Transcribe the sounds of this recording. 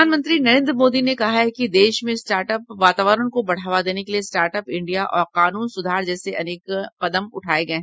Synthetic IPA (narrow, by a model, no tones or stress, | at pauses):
aːnmə̃nt̪ɾinɐɾẽːnd̪ɾəmoːd̪inekɐɦaɦɛkid̪eːʃmẽsʈaːɾʈəp̚ʋaːt̪aːʋəɾəɽ̃kobɐɽ̤aːʋad̪eːnekeliesʈaːɾʈəpɪ̃ɳɖijaʔɔːɾqaːnuːnsʊd̪ʱaːɾd͡ʒɛːseʔɐneːkqɐd̪əmʊʈʰaːeɡɐẽ